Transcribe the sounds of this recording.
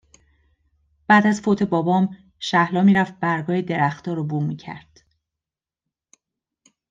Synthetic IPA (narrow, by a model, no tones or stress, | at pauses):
b̥æːd̪æzfot̪ʰe̞bɒːbɒːm | ʃæhlɒːmiːɾæft̪̚bæɾɡɒːhed̪e̞ɾæxt̪ɒːɾobumiːcʰæ̰ɾd̪̥